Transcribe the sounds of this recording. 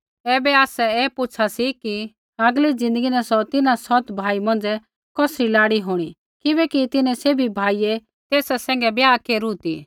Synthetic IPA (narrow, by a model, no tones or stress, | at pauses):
ɛːbɛaːsɛɛːpʊt͡ʃʰasiki | ɐɡlid͡zɪ̃nd̪əɡinãsɔt̪ɪnasɔt̪bʱaːimɐ̃nd͡zɛ | kɔsɾilaːɽiɦoːɽ̃i | kɪbɛkit̪ɪnɛ̃seːbʱibʱaːijɛ | t̪eːsɛsɛ̃ːŋ̆ɡɛbjaːkeːɾut̪iː